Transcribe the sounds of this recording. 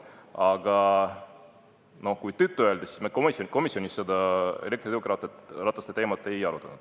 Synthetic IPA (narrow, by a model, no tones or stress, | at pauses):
ɑɡɑ | no̞hkujt̪yt̪ːuøld̪esi̥smeko̞misioko̞misjonʲisːed̪ɑele̞kt̪ɾoeokːɾɑt̪ˑet̪rɑt̪ːˑɑst̪et̪e̞ːmɑt̪ːˑe̞jɑɾut̪ːˑɑ̰nud̪̥